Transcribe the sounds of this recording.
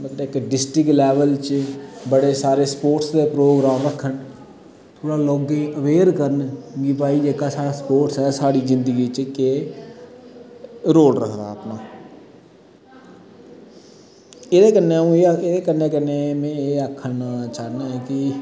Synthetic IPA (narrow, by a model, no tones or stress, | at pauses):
mət̪ləɪkɖɪsʈɾɪklɛːʋəlt͡ʃbəɽeːsaːɾeːspoːʈsd̪eːpɾoːɡɾaːmɾəkʰːən | t̪ʰoːɽaːloːɡẽːəʋeːɾkəɾənɡipaːiːd͡ʒeːkaːsaːɽaːspoːʈsɛːsaːɽiːzɪnd̪əɡiːt͡ʃke | ɾoːlɾəkʰd̪a̰ːpnaː | ɪd̪eːkənːeũːed̪eːkəneːkəneːmẽːeːəkʰːənat͡ʃaːnaːɦɛːkɪ